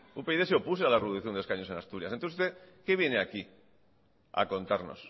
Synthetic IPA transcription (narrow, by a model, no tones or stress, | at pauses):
upe̞iðeseopus̬ealareβðuθjond̪eskaɲose̞nast̪uɾjasent̪ost̪ekeβ̞je̞neaki | a̰ko̞nt̪aɾno̞̰s